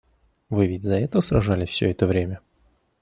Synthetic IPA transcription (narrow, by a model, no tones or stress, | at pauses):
vɨvʲɪtʲzɐɛt̪əvəsɾɐʐalʲɪfsʲɵɛt̪əvɾʲemʲə